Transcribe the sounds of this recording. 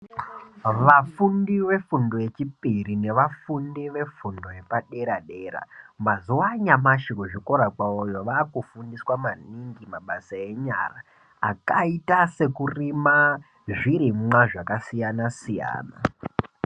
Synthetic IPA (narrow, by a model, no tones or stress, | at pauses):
ʋafundiʋe̞fundoe̞t͡ʃipirine̞ʋafundiʋe̞fundoje̞paɗe̞ɾaɗe̞ːɾa̰mazuwaɲamaʃikuʐiko̞ɾakwaojo̞ʋaːkufundiswamaniŋɡimaɓasae̞ɲa̰ra | a̰kaitase̞kurima | ʐiɾimwaʐakasijanasija̰ːna̰